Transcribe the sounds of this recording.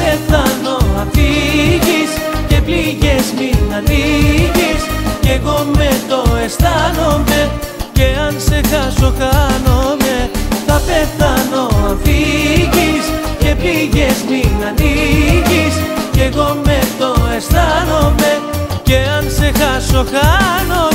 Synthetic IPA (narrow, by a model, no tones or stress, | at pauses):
peθɐno̞ɐfiʝisce̞pliʝe̞zminɐniʝisce̞ɣo̞me̞t̪o̞e̞st̪ɐno̞me̞ | ce̞ɐnse̞xɐso̞kɐnome̞θɐpe̞θɐno̞fiʝis | ce̞pliʝezmiɐniʝisce̞ɣo̞me̞t̪o̞e̞st̪ɐno̞me̞ce̞ɐnse̞xɐso̞kɐno